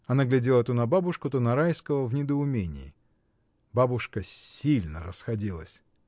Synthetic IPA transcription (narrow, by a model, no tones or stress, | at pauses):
ɐnaɡlʲɪdʲelˠət̪unɐbabʊʂkʊt̪onɐɾajskəvəvnʲɪd̪əʊmʲenʲɪ̰ɪ̰ | babʊʂkəsʲilʲnəɾəsxɐdʲilˠə̰sʲ